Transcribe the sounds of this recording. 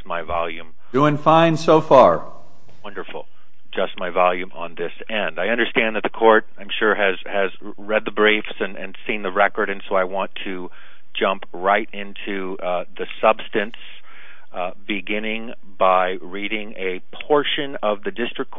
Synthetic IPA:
smaɪvɑlˠjʉ̃m | uɪ̃ŋfãɪ̃nsoʊfɑɹ | wʌ̃ndə˞fl̩ˠ | d͡ʒʌst̚maɪvɑlˠjʉ̃mə̰̃nðɪs | ɛ̃ndaɪʌ̃ndə˞stæ̃nðɨt̪̚ðɨkʰɔɹɾ̚ãɪ̃mʃʊɹɨz | ɨz | ɹɛd̪̚ðəbɹeɪfsɨ̃nɨ̰̃nsĩnðɨɹɛkə˞ɾɨ̃nsoʊaɪwɑ̃ntʰɨ̥ | d͡ʒʌ̃mp | ɹaɪɾɪ̃ntʰʉ | ðɨsʌb̥stɨ̃ns | bɨɡɪ̃nɪ̃ŋ | baɪ | ɹiɾɪ̃ŋɨ | pʰɔɹʃɨ̃nʌvðɨdɪstɹ̥ɨkʰ

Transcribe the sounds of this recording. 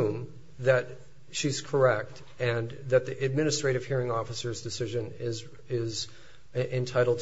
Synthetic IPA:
m | ðɨt̚ | ʃiz̥kʰə˞ɛk̚t | ɨ̃nðɨt̪̚ðiʔɨd̚mɪ̃nɨstɹ̥eɪɾɨv̥hiɹɪ̃ŋɔfəsə˞zdɨsɪʒɨ̃nɪz | ɪz | ʔɨ̃ntʰaɪɾl̩ˠd̚

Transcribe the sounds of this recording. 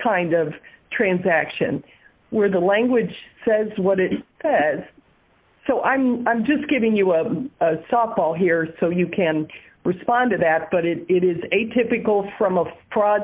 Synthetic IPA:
kʰãɪ̃ndʌv̥tʰɹ̥æ̃nzækʃɨ̰̃n | wə˞ðəlæ̃ŋɡwɨd̥ʒ̥sɛzwʌɾɪtsɛz̥ | soʊʔãɪ̃mãɪ̃md͡ʒʌsɡ̥ɪvɪ̃ŋjɨəəsɑf̚b̥ɔlˠɦiɹsoʊjɨkʰɨ̃n | ɹɨspɑ̃ntɨðɨt̚b̥ʌɾɪɾɪɾɪzeɪtʰɪpɨkl̩ˠfɹʌ̃məpʰɹ̥ɑ

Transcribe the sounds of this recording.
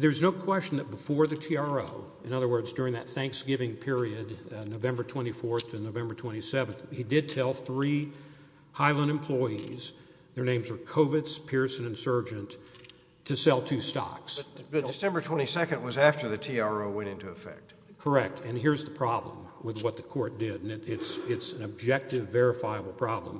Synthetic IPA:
ðə˞ɨznoʊkʰw̥ɛst͡ʃn̩ðɨt̚b̥əfɔɹðɨtʰiɑɹoʊ | ɨ̃ñʌðə˞wɜ˞dzdʊɹɪ̃ŋðɨt̪̚θæ̃ŋksɡ̥ɪvɪ̃ŋpʰɪɹiɨdnoʊvɛ̃mbə˞tʰw̥ɛ̃ɾ̃ifɔɹθʰɨ̃noʊvɛ̃mbə˞tʰw̥ɛ̃ɾ̃isɛvɨ̃nθhidɨd̚tʰɛlˠθɹi | haɪlˠə̃nɨ̃m̩pʰl̥ɔɪiz̥ | ðə˞nẽɪ̃mzə˞kʰoʊvɨtspʰɪɹsɨ̃nɨ̃nsɜ˞d͡ʒɨ̃ntʰ | ɨsɛlˠtʰʉstɑ̰ksdɨsɛ̃mbə˞tʰw̥ɛ̃ɾ̃isɛkɨ̃nd̚wʌzæftə˞ðɨtʰiɑɹoʊwɛ̃ñɪ̃ntuɨfɛ̰k̚t̚ | kʰə˞ɛk̚tʰɨ̃nɦɪɹzðəpʰɹ̥ɑblə̰̃mwɪðwʌt̪̚ðəkʰɔɹt̚d̥ɪɾɨ̃nɨɪtsɪtsɨ̃nɨb̚d͡ʒɛk̚tɨvɛɹɨfaɪəbl̩ˠpʰɹ̥ɑblə̰̃m

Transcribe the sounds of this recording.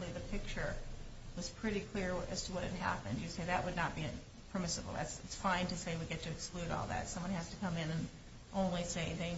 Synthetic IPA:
liðɨpʰɪk̚t͡ʃə˞ | wʌz̥pʰɹ̥ɪɾikʰl̥ɪɹɨz̥tʰəwʌɾ̚hɨd̚ɦæ̰pɨ̃ndjɨseɪðɨʔ̚wɨdⁿnət̚b̥iɨ̃ | pʰə˞mɪsəbl̩ˠðæ̰tsɨtsfãɪ̃ntɨseɪwiɡɛtʰɨɨksklʉɾɔ̰lˠðæ̰tsʌ̃mwʌ̃nhæz̥tɨkʰʌ̃mɨ̃nɨ̃n | ʔõʊ̃nliseɪðẽɪ

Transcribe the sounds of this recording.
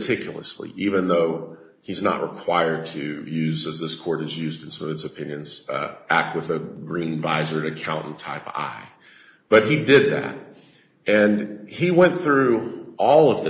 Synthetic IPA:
tʰɪkʰjl̩ˠə̰slḭʔivɨ̃nðoʊ | iznə̰ʔɹəkʰw̥aɪə˞d̚tʰɨjʉzɨzðɪskʰɔɹɾɨzjʉzd̃n̩sʌ̃mʌvɨtsɨpʰɪ̃njɨ̃nz̥æk̚t̚wəðɨɡɹĩnvaɪzə˞ɨɾɨkʰãʊ̃nʔn̩tʰaɪpa̰ɪ | b̥ʌt̚idɪd̪̚ðæ̰t̚ | ɨ̃niwɛ̃nθɹʉʔɔlˠʌvðɨ

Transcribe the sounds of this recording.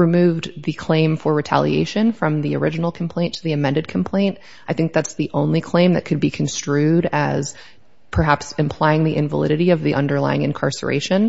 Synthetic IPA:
ɹɨmʉvðɨkʰl̥ẽɪ̃ɱfə˞ɹɨtʰæ̰lˠḭḛɪʃɨ̃nfɹʌ̃mðiə̰˞ɪd͡ʒɨn̩l̩ˠkʰm̩pʰl̥ẽɪ̃ntʰɨðiɨmɛ̃ndɨd̚kʰm̩pʰl̥ẽɪ̃nt | aɪθɪ̃ŋk̚ðætsðiʔõʊ̃nlikʰl̥ẽɪ̃mðɨt̚kʰɨd̚bikʰn̩stɹ̥ʉɾɨz̥ | pʰə˞ɦæpsɨ̃mpʰl̥aɪɪ̃ŋðiʔɪ̃ɱvəlɪ̰ɾɨɾiʌvðiʔʌ̃ndə˞la̰ɪɪ̃ŋɨ̃nkʰɑ̰ɹsə̰˞ʔḛɪʃɨ̃n

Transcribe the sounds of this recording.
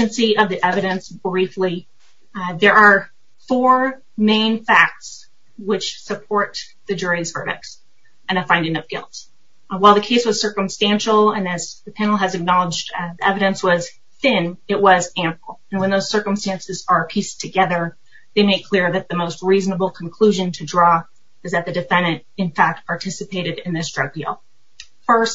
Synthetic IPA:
ɨ̃nsiʌvðiʔɛvɨɾɨ̃nsb̥ɹifli | ðə˞ʔə˞ | fɔɹ | mẽɪ̃nfæk̚ts | wɪt͡ʃsɨpʰɔɹt̪̚ | ðɨd͡ʒʊɹiz̥vɜ̰˞ɾɨ̰k̚s | ɨ̃nəfãɪ̃ndɪ̃nʌp̚ɡ̥ɪ̰lˠts | waɪlˠðɨkʰeɪswʌz̥sɜ˞kə̃mstæ̃nʃl̩ˠə̃nɨzðɨpʰæ̃nl̩ˠɨzɨk̚nɑlˠəd͡ʒðiʔɛvɨɾɨ̃nswʌz̥ | θɪ̃nɪʔ̚wʌzæ̃mpl̩ˠɨ̃nwə̃nðoʊz̥sɜ˞kə̃m̩stæ̃nsɨzə˞pʰistʰɨɡɛðə˞ | ðeɪmeɪkʰl̥ɪɹðɨt̪̚ðɨmoʊst̚ɹiznəbl̩ˠkʰn̩kʰl̥ʉʒɨ̃ntʰɨdɹɔ | ɨzðɨt̪̚ðɨdɨfɛ̃ndɨ̃ntɨ̃nfæk̚t̚pʰɑɹtʰɪsɨpʰeɪɾɨɾɪ̃nðɪsdɹʌɡ̚dḭlˠ | fɜ˞s

